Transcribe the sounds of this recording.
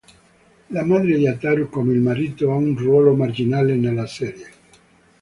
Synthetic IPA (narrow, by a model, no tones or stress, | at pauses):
lamad̪ɾed̪iat̪aɾukomeilmaɾiːt̪oaunrwɔːlomard͡ʒinalenelːasɛɾje